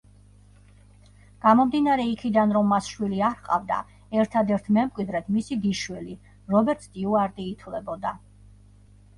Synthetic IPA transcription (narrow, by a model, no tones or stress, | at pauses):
ɡ̥amɔmd̪inaɾɛikʰid̪anɾɔmːasʃwiliaɾqʼa̰vd̪a̰ | ɛɾt̪ʰad̪ɛɾt̪ʰmɛmkʼwid̪ɾɛt̪ʰmisiɡ̪iʃwili | ɾɔbɛɾt̪st̪ʼiuaɾt̪ʼiːt̪ʰwlɛbɔd̪a